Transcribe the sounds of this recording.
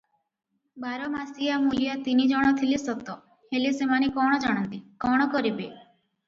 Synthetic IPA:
baɾɔmasijamulijɔt̪inid͡ʒɔɽ̃ɔt̪ʰilisɔt̪ɔ | helisemanekɔɽ̃ɔd͡ʒaɽ̃ɔnt̪ikɔɽ̃ɔkɔɾibe

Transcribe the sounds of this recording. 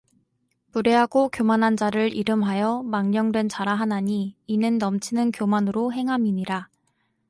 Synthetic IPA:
puɾe̞ɦaɡokjomanɦand͡ʑaɾɯɾʔiɾɯmɦajʌmaŋɲʌŋdwe̞nt͡ɕaɾaɦanaɲiːnɯnːʌmt͡ɕʰinɯnkjomanɯɾoɦe̞ŋɦamiɲiɾa

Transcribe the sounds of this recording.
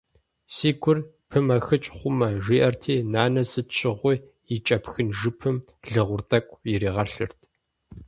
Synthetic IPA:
siːɡʷʰʊr | pʰɨmɐxɨt͡ʃʼχʷʊmɐʒiːʔɐrtʰiːnaːnɐsɨt͡ʃʰʼɪʁʷʊ | ɪt͡ʃʼɐpxɨnʒɨpʰɨm | ɮɨʁʷʊrtʰʼɐkʷʼjɪɾiːʁɐɬɨ̰rtʰ

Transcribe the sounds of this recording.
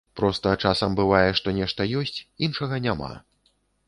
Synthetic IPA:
pɾɔst̪ɐt͡ʂasɐmbɨvajɛʂt̪ɔnʲɛʂt̪ɐjɔsʲt͡sʲinʂɐɣɐnʲama̰

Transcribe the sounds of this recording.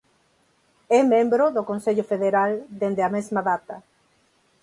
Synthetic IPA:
ɛmẽmbɾoðokonseʎʊfeðeɾald̪end̪eamezmaðat̪ɐ

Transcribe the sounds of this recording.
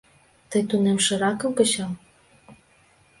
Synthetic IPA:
t̪əjt̪unemʃɤ̆ɾɑkɤ̆mkɤ̆t͡ɕɑm

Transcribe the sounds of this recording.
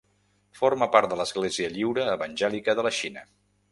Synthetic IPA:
foɾməpaɾt̪d̪ələzɣleziəʎiwɾəːβənʲʒɛlikəðələʃinə

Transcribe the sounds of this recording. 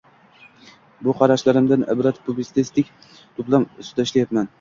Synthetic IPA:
bʊqʰɑɾaʃlaɾɪmd̪anɪ̰bɾat̪pʰublɪst̪ɪst̪ɪkʲ | t̪ʰʊplˠamsʊ̥t̪ʰaɪʃlajat̪man

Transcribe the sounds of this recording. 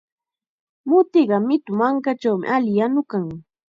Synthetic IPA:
mʊt̪ɪɢɑmɪt̪ʊmaŋkat͡ʃawmɪ̰ʔalɪjanʊkaŋ

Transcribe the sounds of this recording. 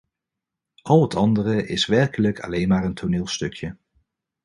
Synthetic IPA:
ʔɑlˠɦətɑndərəʔɪsʋɛɹkələkʰɑ̰lejnmaːɹəntʰonɪːlˠstɵkʰjə

